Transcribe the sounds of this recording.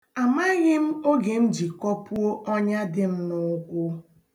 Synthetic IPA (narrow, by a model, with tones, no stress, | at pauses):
a˨ma˦ɣɪ˦m̩˦o˦ɡe˨m̩˦d͡ʒi˨kɔ˦pu˦o˦ʔɔ˦ɲa˦dɪ˦m̩˦nʊ˦kʷʊ˦